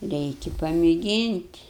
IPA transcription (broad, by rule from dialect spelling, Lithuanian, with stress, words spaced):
ˈrʲɛɪkʲɪ pɐmʲeːˈɡʲiːnʲtʲ